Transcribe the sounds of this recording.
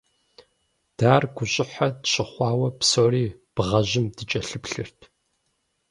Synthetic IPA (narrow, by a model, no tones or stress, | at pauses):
d̥aːrɡʷʊɕʼɪħadɕɪχʷɑːwɐpsoːɾiːb̥ʁɐʑɪmdɨt͡ʃʼɐɬɨpɬɨrtʰ